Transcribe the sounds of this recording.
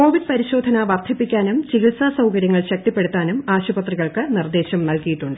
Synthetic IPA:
ko̞ːʋiɖ̚pɐɾiɕo̞ːd̪ʱɐnɐʋɐrt̪ʰːipːikʲːaːnumt͡ɕiɣilsasɐwkɐɾjɐŋːɐɭɕɐk̚t̪ipːe̞ɽut̪ːaːnumaːɕubɐt̪riɣɐɭkɨnird̪e̞ːɕɐmnɐlkijiʈːuɳɖɨ

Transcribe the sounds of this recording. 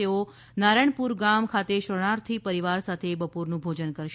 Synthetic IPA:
eo | naɾəɳ̃puɾɡamkʰat̪eʃəɽ̃aɾt̪ʰipəɾiʋaɾsat̪ʰebəpoɾnũbʱod͡ʒənkəɾʃ

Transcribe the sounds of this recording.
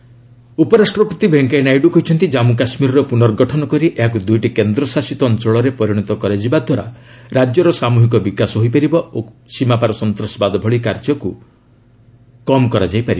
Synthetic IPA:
upɔɾasʈɾɔpɔt̪ibʱeŋkajnajɖukɔɦit͡ʃʰɔnt̪id͡ʒamukasmiɾɔɾɔpunɔɾɡɔʈʰɔnɔkɔɾiʔeɦak̬ud̪ujʈikend̪ɾɔsasit̪ɔnt̪ɾɔɭɔɾepɔɾiɽ̃ɔt̪ɔkɔɾad͡ʒibad̪ʱwaɾa̰ɾad͡ʒjɔɾɔsamuɦik̬ɔbikasɔɦojp̬aɾibɔosimapaɾɔsɔnt̪ɾɔsɔbad̪ɔbʱɔɭikaɾd͡ʒɔku | kɔmɔkɔɾad͡ʒajpaɾi

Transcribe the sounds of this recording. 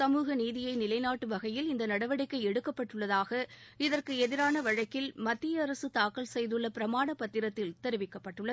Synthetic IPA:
sɐmuːɣɐniːðɪjɐɪnɪlɐɪnaːʈːɯʋɐɣɐjɪlɪnd̪ɐnɐɽɐʋɐɽɪkːɐɪɛɽɯkːɐpːɐʈːɯɭːɐðaːɣɐɪðɐrkɯɛðɪɾaːnɐʋɐɻɐkːɪlmɐt̪ːɪjɐːɾɐsɯt̪aːkɐlsɛjðɯɭːɐpɪɾɐmaːɳɐpːɐt̪ːɪɾɐt̪ːɪlt̪ɛɾɯʋɪkːɐpːɐʈːɯɭːɐ

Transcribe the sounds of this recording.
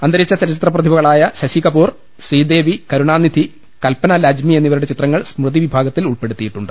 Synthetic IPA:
ɐnd̪ɐɾit͡ɕːɐt͡ɕɐɾit͡ɕit̪rɐprɐd̪ʱʰibɐɣɐɭaːjɐɕɐɕikɐpuːr | ɕriːd̪e̞ːʋikɐɾuɳaːnːid̪ʱi | kɐlpɐnɐlaːd͡ʑmie̞nːiʋɐɾuɽe̞t͡ɕit̪rɐŋːɐɭsmrɨðiʋibʱaːɡɐt̪ːiluɭpe̞ɽut̪ːijiʈːuɳɖɨ̥

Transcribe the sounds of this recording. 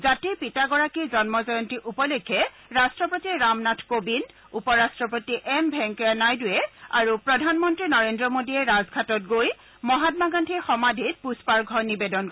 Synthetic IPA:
zatipitaɡɔɹakizɔnmɔzɔjɔntiʔupɔlekʰːɛ | ɹastɹɔpotiɹamnatʰkobin | upɔɹastɹɔpotiʔɛmbʱɛŋkanajdʊjɛa̰ɹupɹɔdʱanmɔntɹinɔɹendɹɔmodiɛɹazɡʱatɔt̚ɡoj | mɔɦat̚maɡantʰixɔmadʱit̚puspaɹɡʱɔɹnibedɔnkɔ

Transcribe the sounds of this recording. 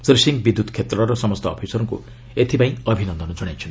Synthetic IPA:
sɾisiŋɡbid̪ʱːud̪kʰet̪rʌɾʌsʌmʌst̪ʰʌ̰ːpʰisʌɾɔŋkṵ | et̪ʰipaĩʌbʱinʌnd̪ʱʌnʌd͡zɔɽ̃jat͡ʃʰʌnt̪i

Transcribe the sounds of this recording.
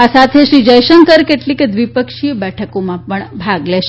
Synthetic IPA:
asat̪ʰeʃɾid͡ʒəjʃəŋkəɾkeʈlikd̪ʋipəkʃijəbɛʈʰəkomãpəɳbʱaɡleʃe

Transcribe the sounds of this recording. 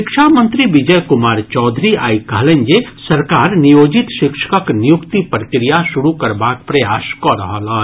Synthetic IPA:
ɪkʃamə̃nt̪ɾiʋɪd͡ʒəjkʊmaːɾt͡ʃɔːd̪ʱɾia̰ːikɐɦlẽnd͡ʒesɐɾkaːɾnijoːd͡ʒɪt̪ʃɪkʃə̥kəknɪjukt̪ipɾəkɾijaʃʊɾukɐɾbaːk̚pɾɐjaːskɔɾɐɦalaː

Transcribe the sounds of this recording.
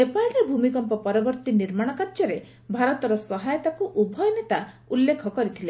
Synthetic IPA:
sepajɾebʱumikɔmpɔpɔɾɔbɔɾt̪iniɾmaɽ̃ɔkaɾd͡ʒɔɾe | bʱaɾɔt̪ɔɾɔsɔɦajɔt̪akuʔubʱɔjɔnet̪a | ulːekʰɔkɔɾit̪ʰile

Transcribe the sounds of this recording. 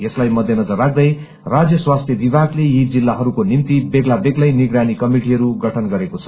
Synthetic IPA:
jʌslajmʌd̪ʱjʌnʌd͡zʌrːak̚ʰd̪ʌj | rad͡zjʌswast̪ʰjʌbibaɡlejid͡zilːaɦʌɾukonimt̪ibeɡlabeɡlʌjniɡranikʌmiʈiɦʌɾuɡʌʈʰʌnɡʌɾekot͡sʰʌ̥

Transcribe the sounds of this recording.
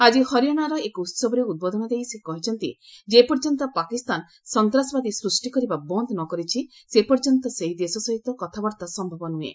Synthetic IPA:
ad͡ʒihɔɾijɔnaɾɔekɔut̪sɔbɔɾeud̪̚bod̪ʱɔnɔd̪ejsekɔɦit͡ʃʰɔnt̪id͡ʒepɔɾd͡ʒɔnt̪ɔpakist̪an | sɔnt̪ɾasɔbad̪isɾusʈikɔɾibabɔnd̪nɔkɔɾit͡ʃʰisepɔɾd͡ʒɔnt̪ɔseɦid̪esɔsɔɦit̪ɔkɔt̪ʰabɔɾt̪asɔmbʱɔbɔnuḛ

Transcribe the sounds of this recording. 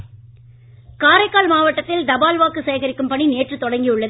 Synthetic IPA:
kaːɾɐɪkːaːlmaːʋɐʈːɐt̪ːɪld̪ɐbaːlʋaːkɯsɛjɐɣɐɾɪkːɯmpɐɳineːʈrɯt̪ːɔɽɐŋɡijɯɭːɐðɯ

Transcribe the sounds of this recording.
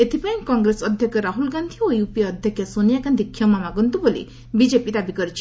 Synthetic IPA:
et̪ʰipajmkɔŋɡɾesɔd̪ʱjɔkʰjɔɾaɦulɡand̪ʱiojupiɔd̪ʱjɔkʰjɔsonijakand̪ikʰːjɔmamaɡɔnt̪ubolḭ | bid͡ʒepid̪abikɔɾit͡ʃʰi̥

